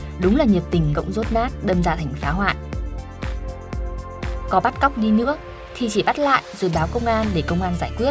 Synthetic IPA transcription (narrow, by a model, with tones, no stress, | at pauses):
ɗʊ˨˦ŋ͡mlaː˨˩ɲi˨˩əp̚t̪ï˧˩ŋ̟kə̰˧˨wŋ͡mzo˦˥t̚naː˦˥t̚ɗəː˧mza̰ː˧˩t̪ʰa˨˩jŋ̟faː˨˦ɦwa̰ː˧˨j | kɔ˨˦ɓa˦˥t̚ka˦˥wk͡p̚ɗi˧nɨ̰˧˥ə | t̪ʰi˨˩t͡ɕi˧˩ɓa˦˥t̚la̰ː˧˨jʔzɨ̰ː˧˨˩jɓaː˨˦wkə˧wŋ͡mʔaː˧nɗe˧˩kə˧wŋ͡mʔaː˧nzaː˧˩jkwi˦˥ət̚